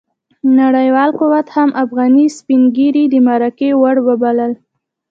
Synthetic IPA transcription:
naɽəjwɑlquwat̪hamʔafɣɑnispiŋɡiɾid̪əmaɾakewaɽwəbaləl

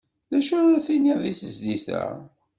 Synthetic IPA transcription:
læʃʊɾaθiniðiθəzd̪iθæ̰

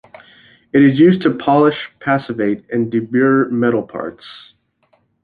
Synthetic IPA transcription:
ɨɾɨzjʉztʰɨpʰɑlˠəʃpʰæsɨveɪɾɨ̃ndɨbɪɹmɛɾl̩ˠpʰɑ̰ɹts

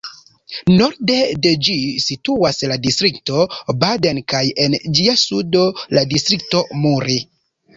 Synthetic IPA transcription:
no̞ɾde̞de̞d͡ʒisituasladistɾikto̞badankaje̞nd͡ʒiasudo̞ladistɾik̚to̞muɾi

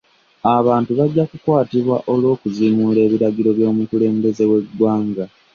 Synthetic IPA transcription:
aβaːntuβaɟːakukwaːtiβwa̰ʔo̞lwo̞ːkuzimuːle̞ːβiɾaɡiɾo̞βjo̞ːmukule̞ːmbe̞ze̞we̞ɡwaːŋɡa

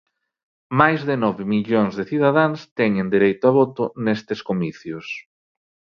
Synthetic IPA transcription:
majzðɪnɔβɪmiʎoŋzðeθiðaðaŋst̪ɛɲend̪iɾejt̪ʊaβɔt̪ʊnest̪eskomiθjʊs

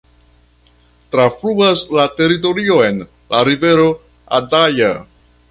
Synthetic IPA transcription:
tɾafluaslate̞ɾit̬o̞ɾio̞e̞n | laɾive̞ɾo̞ | a̰daja

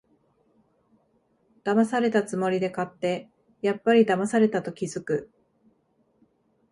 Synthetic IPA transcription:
d̪̥amasaɾe̞t̪at͡sɨmo̞ɾʲid̪e̞kat̪ːe̞ | japːaɾʲid̪amasaɾe̞t̪at̪o̞kʲizɨkɯ̟

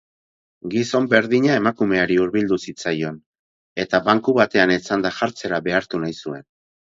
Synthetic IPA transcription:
ɡiso̞mbe̞ɾðiɲae̞makume̞aɾiuɾβild̪usit͡sajo̞n | e̞t̪aβaŋkuβat̪e̞anet͡sand̪aʝaɾt͡se̞ɾaβe̞aɾt̪unajsue̞n

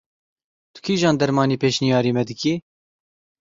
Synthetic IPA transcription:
t̪u̥kʰiːʒɑːnd̪ɛɾmɑːniːpeːʃnijɑːɾiːmɛd̪ɨkiː

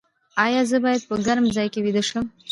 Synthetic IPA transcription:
ɑjɑzəbɑjad̪̚pəɡaɾmzɑjkewid̪əʃəm

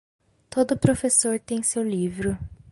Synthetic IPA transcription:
t̪od̪ʊpɾofesoɾt̪ẽj̃sewlivɾʊ

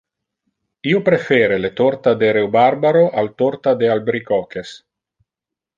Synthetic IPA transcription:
iopɾefeːɾelet̪ort̪ad̪eɾewbaɾbaɾoʔalt̪oɾt̪ad̪ealbɾikɔkes

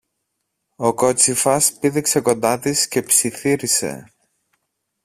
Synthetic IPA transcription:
o̞ko̞t͡sifɐspiðikse̞ko̞nd̪ɐt̪isce̞psiθiɾise̞̰

